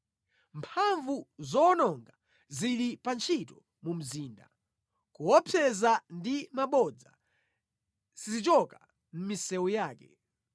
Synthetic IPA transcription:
mpʰaɱvuzɔnɔŋɡa | ziɾipant͡ʃʰitɔ | mum̩ziːnda̰ | kuwɔpʰɛzandimaɓɔd͡za̰ | sizit͡ʃɔka | m̩misɛwujaːkɛ

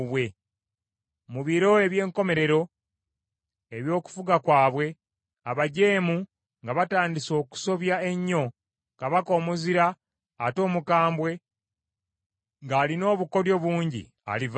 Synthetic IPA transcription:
βwe̞ | muβiɾo̞e̞βje̞ːŋko̞me̞ɾe̞ɾo̞ | e̞βjo̞ːku̥fuɡakwaːβwe̞ | aβaɟe̞ːmu | ŋɡaβataːndiso̞ːku̥so̞βjae̞ɲːo̞ | kaβako̞ːmuziɾaː | to̞ːmukaːmbwe̞ | ŋɡaːlino̞ːβuko̞ɾjo̞βuːɲɟḭ | a̰liv

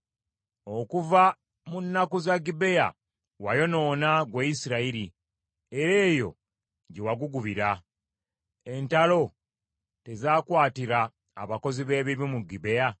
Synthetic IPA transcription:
o̞kuva | munːakuzaɡibe̞ja̰ | wajo̞no̞ːnaɡweisiɾaiɾi | eɾe̞ːjo̞̰ | ɟe̞waɡuɡuβiɾa | e̞ntalo̞ | te̞zaːkwaːtiɾaː | βako̞ziβe̞ːβiβimuɡibe̞ja

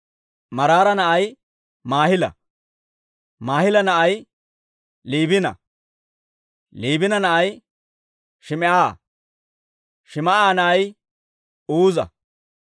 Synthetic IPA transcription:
mɐɾaːɾɐnɐʔɐj | maːhɪlɐ̰ | maːhɪlɐnɐʔɐj | liːbɪnɐ̰ | liːbɪnɐnɐʔɐj | ʃɪmɛʔaː | ʃɪmɐaːnɐʔɐj | uːzɐ̰

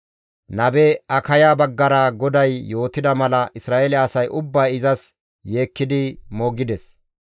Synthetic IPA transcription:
nɐbɛɐkɐjaːbɐɡːɐɾaːɡɔd̪ɐjːo̞ːt̪ɪd̪ɐmɐlɐʔɪsɾaːʔelɪːsɐjʔʊbːaːɪzɐs | je̞ːkːɪd̪ɪmoːɡɪd̪ɛs

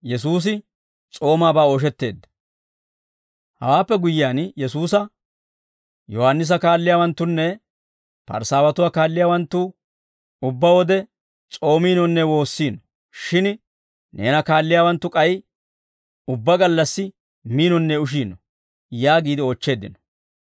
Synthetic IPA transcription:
jɛs̬uːs̬ɪ | t͡sʼo̞ːmaːbaːoːʃ̬ɛt̪ːe̞̰ːd̪ːɐ̥ | hɐ̰waːpːɛɡʊjɪaːnjɛsuːsɐ | jɔhanːɪs̬ɐkaːlːɪjaːwɐnt̪ːʊnːɛ | pɐ̰ɾsaːwɐt̪ʊwaːkaːlːɪjaːwɐnt̪ːʊ | ʊbːɐwɔd̪ɛ | t͡sʼo̞ːmiːnɔnːɛwo̞ːsːiːnɔ | ʃɪn | ne̞̰ːnɐkaːlːɪjaːwɐnt̪ːʊkʼɐj | ʊbːɐɡɐlːɐsːɪ | miːnɔnːɛʊʃ̬iːnɔ | jaːɡiːd̪ɪoːt͡ʃːe̞ːd̪ːɪnɔ̥

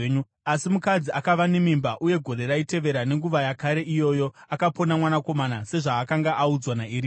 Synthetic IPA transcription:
ɲu | asimukad͡ziakaʋanemimbaʔuje̞ɡʱo̞ɾe̞ɾaite̞ʋe̞ɾane̞ŋɡuʋajakaɾe̞ʔijo̞ːjo̞akapo̞namwanako̞manase̞ʐaːkaŋɡaʔaud͡zwanaiɾi

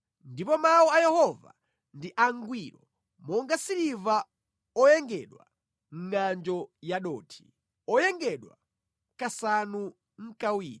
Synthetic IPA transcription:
ndipɔmawɔajɛhɔva̰ | ndiʔaŋɡwiɾɔ | mɔŋɡasiɾiva | ɔjɛŋɡɛɗwa̰ | ŋ̩ŋand͡ʒɔjaɗɔ̰ːtʰi̥ | ɔjɛŋɡɛɗwa̰ | kasanu | ŋ̩kawiːɾi

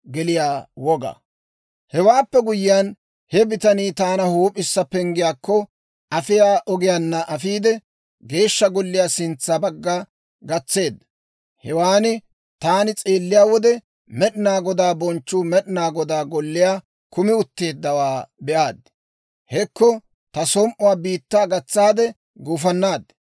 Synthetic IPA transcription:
ɡɛlɪjaːwɔɡɐa̰ | hɛwaːpːɛɡʊjɪjan | hɛbɪt̪ɐniːt̪aːnɐhuːpʼːɪsːɐpɛŋɡɪjaːkːɔ | ɐfɪjaːʔɔɡɪjaːnːɐʔɐfiːd̪ɛ | ɡe̞ːʃːɐɡɔlːɪjaːsɪnt͡sːabɐɡːa | ɡɐt͡sːe̞ːd̪ːɐ | hɛwaːnɪ | t̪aːnɪt͡sʼe̞ːlːɪjaːwɔd̪ɛ | mɛɗɪnaːɡɔd̪aːbɔnt͡ʃːuːmɛɗɪnaːɡɔd̪aːɡɔlːɪjaː | kʊmɪʊt̪ːe̞ːd̪ːɐwaːbɛʔaːd̪ | hɛkːɔ | t̪ɐsɔmʔʊwaːbiːt̪ːaːɡɐt͡sːaːd̪ɛ | ɡuːfɐnːaːd̪

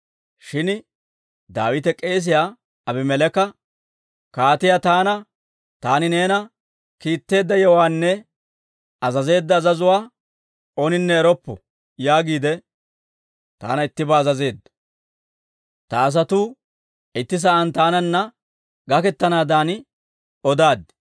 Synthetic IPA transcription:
ʃɪn | d̪aːwɪt̪̬ɛkʼe̞ːs̬ɪjaː | ɐbɪmɛlɛkːɐ | kaːt̪ɪjat̪aːnɐ | t̪aːnɪne̞ːnɐ | kiːt̪ːe̞ːd̪ːɐjɔwaːnːɛ | ɐzɐze̞ːd̪ːɐːzɐzʊwaː | onɪnːɛːɾɔpːɔ | jaːɡiːd̪ɛ | t̪a̰ːnɐɪt̪ːɪbaːzɐze̞ːd̪ːɐ̥ | t̪ɐːs̬ɐt̪uː | ɪt̪ːɪs̬ɐʔɐnt̪aːnɐnːɐ | ɡɐkɛt̪ːɐnaːd̪aːnɪ | ɔd̪aːd̪ɪ̥

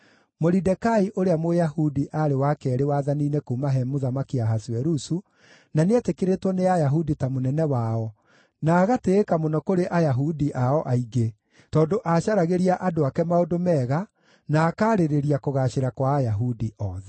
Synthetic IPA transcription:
moɾidɛkaiʔoɾeamojahudiʔaɾewakɛɾewaðaniːnekuːmaɦɛmoðamakiaɦasiɛɾusu | naneɛtekeɾetwɔneajaɦuditamonɛnɛwaɔ | naːɣateːkamonɔkoɾeʔajaɦudiʔaɔʔaiɡe | tɔːndoʔaɕaɾaɣeɾiaʔadoakɛmaodomɛːɣa | naːkaːɾeɾeɾiakoɣaɕeɾakwaːjaɦudiʔɔðɛ

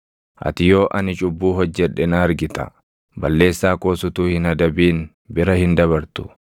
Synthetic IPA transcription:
ʔɐ̰t̪ɪjo̞ːʔɐnɪt͡ʃʼʊbːuːɦɔd͡ʒːɛᶑːɛnɐːɾɡɪt̪ʼɐ̰ | bɐlːe̞ːsːaːkoːsʊt̪uːhɪnɐd̪ɐbiːn | bɪɾɐhɪnd̪ɐβɐɾt̪ʊ̥

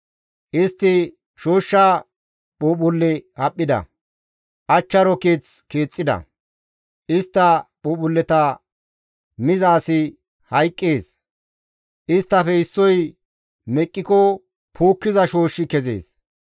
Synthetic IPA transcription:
ʔɪst̪ːɪ | ʃoːʃːa | ɓoːɓʊlːɛhɐpʼːɪd̪ɐ̰ | ʔɐt͡ʃːɐɾɔkeːt͡skeːt͡sʼːɪd̪ɐ̰ | ʔɪst̪ːɐɓoːɓʊlːɛt̪ɐ | mɪzaːsɪ | hɐjkʼːeːs | ʔɪst̪ːɐfɛɪsːɔj | mɛkʼːɪkɔ | pʰuːkːɪzɐʃoːʃːɪkɛzḛːs

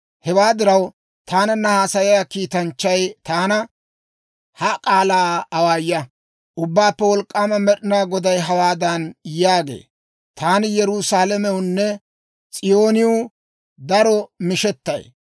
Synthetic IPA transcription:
hɛwaːd̪ɪɾɐw | t̪aːnɐnːɐhaːsɐjɪjakiːt̪ɐnt͡ʃːɐjt̪aːnɐ | hɐkʼaːlaːwaːjːɐ | ʔʊbːaːpːɛwɔlkʼːaːmɐmɛɗɪnaːɡɔd̪ɐjɦɐwaːd̪ɐnjaːɡḛː | t̪aːnɪjɛɾʊsaːlɐmɛwʊnːɛ | t͡sʼɪjo̞ːnɪjʊ | d̪ɐɾɔmɪʃɛt̪ːɐ̰j

